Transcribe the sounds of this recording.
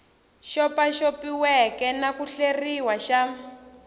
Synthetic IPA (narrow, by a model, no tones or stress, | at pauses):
ʃɔpaʃopiwɛkɛnakuɬeriwaʃa